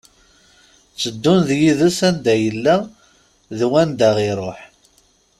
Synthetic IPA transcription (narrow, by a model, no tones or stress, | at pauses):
t͡sːəd̪ːʊnðjiðæsænd̪æjəlːæ | ðwænd̪æʁiɾˤoħ